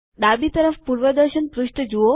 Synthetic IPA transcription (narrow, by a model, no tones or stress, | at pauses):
d̪abit̪əɾəfpuɾʋəd̪əɾʃənpɾuʃʈəd͡ʒuo